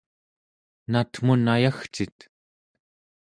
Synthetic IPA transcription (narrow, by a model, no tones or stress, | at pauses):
nat̪m̥unajaxt͡ʃit̪